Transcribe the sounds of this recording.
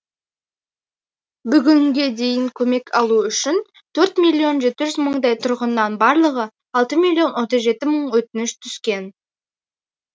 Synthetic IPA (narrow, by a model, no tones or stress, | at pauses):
bʏɡʲɪŋɡʲe̞d̪e̞jɪŋkʲʰɵme̞kʰɑlˠuʏʃɪn | t̪ʰɵɾt̪mʲilʲːio̞nʒe̞t̪ɪʒʏzməɴd̪ɑjt̪ʰʊɾʁənːɑnbɑɾlˠəʁə | ɑlˠt̪əmilʲio̞nwo̞t̪əzʒe̞t̪ɪməɴwɵt̪ɪnɪʃt̪ʰʏskʲe̞n